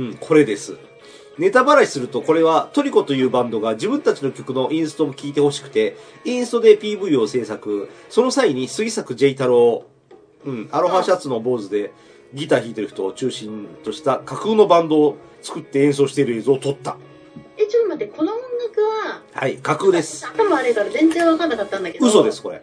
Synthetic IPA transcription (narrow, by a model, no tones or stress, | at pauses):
ɯ̟̃ɴkʰo̞ɾe̞d̪e̞sɨ | ne̞t̪abaɾaisɨɾɯ̟t̪o̞ko̞ɾe̞β̞at̪o̞ɾʲiko̞t̪o̞jɯ̟ːbãnd̪o̞ɡad͡ʑibɯ̟̃nt̪at͡ɕino̞kʲo̞kɯ̟no̞ʔĩɰ̃sɨ̥t̪o̞mokʲiːt̪e̞ho̞ɕi̥kɯ̟̥t̪e̞ | ĩɰ̃sɨ̥t̪o̞d̪e̞pʲiːbɯ̟io̞se̞ːsakɯ̟so̞no̞saiɲ̟isɨisakɯ̟d͡ʑe̞it̪aɾɯ̟o | ɯ̟̃ɴaɾo̞ɦaɕiat͡sɨno̞bo̞ːzɨd̪e̞ | ɡʲit̪açʲiːt̪e̞ɾɯ̟ç̥t̪oːt͡ɕɨːɕĩnt̪o̞ɕi̥t̪akakɯːno̞bãnd̪o̞ː | t͡sɨ̥kɯ̟t̪ːe̞ẽɰ̃s̬o̞ːɕi̥t̪e̞ɾɯeːzɨot̪o̞t̪ːa̰ | et͡ɕomat̪ekʰo̞noõŋɡakɯ̟βahaikakɯ̟ːd̪e̞sɨ̥at̪amoaɾeɡaɾzẽ̞nzẽ̞ɰ̃βakanːakat̪ːãnd̪ake̞dɯso̞d̪e̞sɨ̥ko̞ɾe̞̰